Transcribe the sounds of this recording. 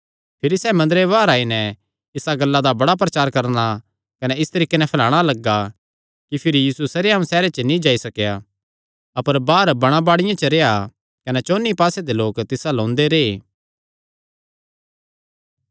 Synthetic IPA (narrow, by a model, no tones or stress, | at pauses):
pʰɪɾisɛːmɐ̃nd̪ɾeʋaːɾaːinɛ | ɪsaɡɐlːad̪abɐɽap̬ɾɐt͡ʃaːɾkɐɾna | kɐnɛɪst̪ɐɾiːkenɛ̃pʰɐlaːɽ̃alɐɡːa | kipʰɪɾijiːsusɐɾejãũsɛːɾet͡ʃənĩd͡ʒaːisɐkja | ɐpəɾbaːɾbɐɽ̃abaːɽɪjãt͡ʃəɾea | kɐnɛt͡ʃoːnːipaːsed̪eloːkt̪ɪsalõːnd̪eɾeː